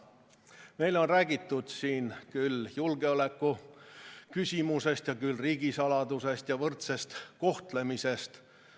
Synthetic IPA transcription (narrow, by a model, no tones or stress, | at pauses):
me̞jlo̞nræːɡ̥it̪ːˑud̪̥siːnkyljulɡe̞o̞le̞kːu | kysʲimuse̞st̪jɑkylriːɡ̥isɑlɑd̪use̞st̪jɑvɤrt̪se̞st̪ko̞ht̪le̞mise̞st̪